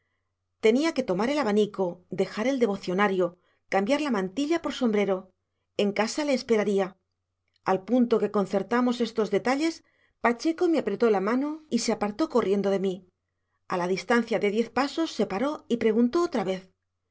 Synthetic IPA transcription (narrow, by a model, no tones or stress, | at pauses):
t̪e̞niake̞t̪o̞maɾe̞laβaniko̞d̪e̞xaɾe̞ld̪e̞βo̞θjo̞naɾjo̞ | kambjaɾlamãnt̪iʎapo̞ɾso̞mbɾe̞ɾo̞ | e̞ŋkasale̞ːspe̞ɾaɾia | alpunt̪o̞ke̞ko̞nθe̞ɾt̪amo̞se̞st̪o̞zðe̞t̪aʎe̞s | pat͡ʃe̞ko̞meapɾe̞t̪o̞lamãno̞ise̞apaɾt̪o̞ko̞rje̞nd̪o̞ðe̞mi | alaðist̪an̟θjaðe̞ðje̞θpaso̞sːe̞paɾo̞ipɾe̞ɣ̞unt̪o̞ot̪ɾaβe̞θ